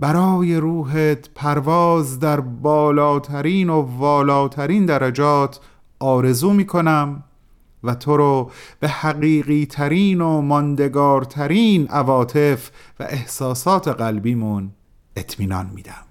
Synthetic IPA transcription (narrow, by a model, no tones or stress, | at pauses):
b̥æɾɒːje̞ɾuːɦet̪ʰpʰæɾvɒːzd̪æɾbɒːlɒːt̪ʰæɾiːnovɒːlɒːt̪ʰæɾiːnd̪æɾæd͡ʒɒːt̪ʰ | ʔɒːɾe̞zuːmiːkʰo̞næm | væt̪ʰo̞ɾɔːb̥e̞hæɣiːɢiːt̪ʰæɾiːnomɒnd̪e̞ɡɒːɾt̪ʰæɾiːnʔævɒːt̪ʰe̞fvæ̰ʔehsɒːsɒːt̪ʰe̞ɢælbiːmun | e̞t̪ʰmiːnɒ̰ːnmḭːd̪æm